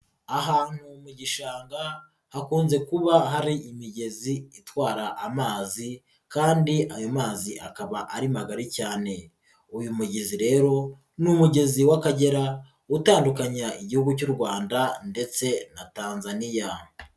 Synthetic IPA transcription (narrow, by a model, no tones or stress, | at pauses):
aɦaːn̥humuɟiʃaːŋɡa | hakuːnze̞kuβaɦaɾiʔimiɟe̞ziitwaːɾaʔːmaːzi | kaːndiʔajo̞maːziʔakaβaʔaɾimaɡaɾicaːne̞ | ujumuɟeziɾe̞ːɾo̞ | numuɟe̞ziwakaɟe̞ɾa | utaːndukaɲaiɟihuɡucuːɾɡwaːndande̞t͡se̞nataːnzanija